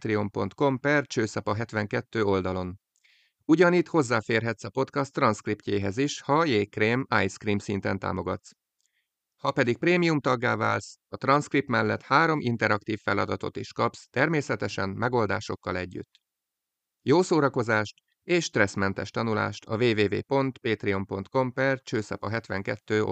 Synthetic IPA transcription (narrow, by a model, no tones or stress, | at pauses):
t̪riompo̞nt̪ko̞mpɛrt͡ʃøːsɒpɒɦɛt̪ʋɛŋkɛt̪ːøːo̞ld̪ɒlo̞n | uɟɒniːt̪ho̞zːaːfeːrɦɛt̪sɒpo̞t̪kɒst̪ːrɒnskripceːɦɛziʃhɒjeːkreːmajskriːmsint̪ɛnt̪a̰ːmo̞ɡɒ̰t̪s | hɒpɛd̪ik̚preːmijumt̪ɒɡːa̰ːva̰ːlsɒt̪rɒnskrip̚t̪mɛlːɛt̪haːɾo̞mʔint̪ɛɾɒkt̪iːffɛlɒd̪ɒt̪o̰t̪iʃkɒpst̪ɛrmeːsɛt̪ɛʃɛnmɛɡo̞ld̪a̰ːʃo̞kːɒlɛɟːy̰t̪ː | joːsoːɾɒko̞zaːʃt̪ | eːʃːt̪rɛsmɛnt̪ɛʃt̪ɒnula̰ːʃt̪ɒ̰veːveːvḛːpo̞nt̪peːt̪riompo̞nt̪ko̞mpɛrt͡ʃøːsɛ̰pɒɦɛt̪ʋɛŋkɛt̪ːøːo̰